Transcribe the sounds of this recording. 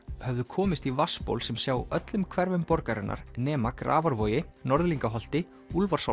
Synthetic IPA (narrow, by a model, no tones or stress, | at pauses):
hɛvðʏkʰɔːmɪst̪ivaspo̰wlsɛmsjaːwœt̪lʏmkʰvɛɾvʏmpɔɾkaɾɪnːʔa̰ɾnɛːmakɾʔa̰ːvaɾvɔːjɪnɔɾðliŋkaɦɔl̥t̪ɪ | ulvaɾ̥sa